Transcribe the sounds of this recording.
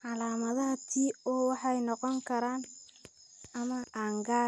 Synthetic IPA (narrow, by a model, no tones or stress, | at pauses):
ʕɑlaːmɐðɐɦɐt̪ʰiːɔːwɑħɑjnɔqɔŋkʰɐɾaːn | ɐmɐʔaːŋɡaː